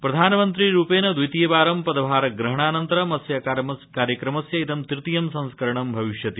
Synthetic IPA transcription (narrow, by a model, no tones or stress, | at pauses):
pɾɐd̪ʱaːnɐmɐnt̪ɾiɾuːpeːnɐd̪ʋit̪ijɐbaːɾɐmpɐd̪ɐbʱaːɾɐɡɾɐɦɐɳ̃aːnɐnt̪ɐɾɐmɐsjɐkaːɾjɐkɾɐmɐsjɐit̪ɐmt̪ɾɨt̪ijɐmsɐ̃ñskɐɾɐɳɐmbʱɐʋiʃjɐt̪i